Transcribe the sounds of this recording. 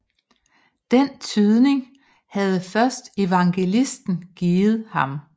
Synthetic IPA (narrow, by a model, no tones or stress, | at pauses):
d̥ent͡sʰyðˠne̝ŋ | hæð̞̩ˠəfɶɐsd̥e̝ʋɑ̈ŋɡ̥e̝lisd̥n̩ɡ̥iːð̞̩ˠhɑ̈m